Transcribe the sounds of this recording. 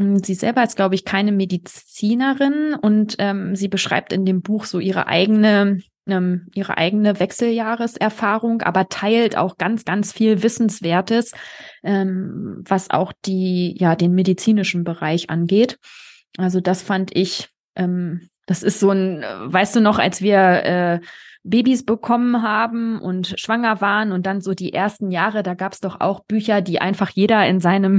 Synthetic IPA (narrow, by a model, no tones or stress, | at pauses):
ziːzɛ̰lbɐɪst̚ɡ̥laʊbəɪçkʰaɪnəmedit͡siːnəʁɪnʊntʔɛːmziːbəʃʁ̥a̰ɪp̚tɪndeːmbuːxz̥oːʔiːʁ̞ə̰ʔa̰ɪɡənə | ʔɛːmʔiːʁə̰ʔa̰ɪɡənəvɛksl̩jaːʁəsʔɛɐfaːʁʊŋʔa̰ːbɐtʰaɪltʔa̰ʊxɡ̥ant͡sɡ̥ant͡sfiːlvɪsn̩sv̥eːɐtəsʔɛːmvasʔa̰ʊxd̥iːjaːdeːnmedit͡siːnɪʃn̩bəʁaɪçʔa̰nɡeːt | ʔalzodasfandʔɪç | ʔɛːm | d̥asɪstz̥oːnvaɪstd̥uːnɔχa̰lsv̥iːɐʔɛːbeːbisb̥əkʰɔmənɦaːbm̩ʔʊ̰ntʃv̥aŋɐvaːʁənʊnt̚d̥anzoːdiːʔeːɐstn̩jaːʁədaːɡaːpsd̥ɔχa̰ʊxb̥yːçɐdiːʔa̰ɪnfaχjeːɾɐɪnzaɪnəm